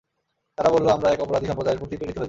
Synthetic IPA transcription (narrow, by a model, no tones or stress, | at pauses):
t̪aɾabolloamɾaɛkɔpoɾad̪ʱiʃɔmpod̪aeɾpɾot̪ipeɾit̪eɦoe